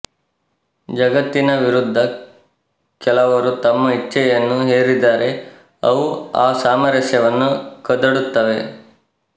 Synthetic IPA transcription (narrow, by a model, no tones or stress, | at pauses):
d͡ʒɐɡɐt̪ːinɐʋiɾud̪ʱːɐ | kɛlɐʋɐɾut̪ɐmːɐit͡ʃːɛjɐnːuɦeːɾid̪aːɾʔe̞ | ɐʋuaːsaːmɐɾɐʃjɐʋɐnːukɐd̪ɐɽut̪ːɐʋe̞